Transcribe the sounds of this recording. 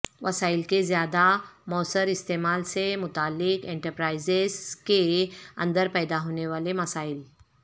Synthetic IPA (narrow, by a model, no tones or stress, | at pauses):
ʋəsailkezjad̪amɔːsəɾist̪emalsemʊt̪aːlːɪkeɳʈəɾpɾaizeskeə̰̃nd̪əɾpɛjd̪aɦoːneʋalemɐsaːil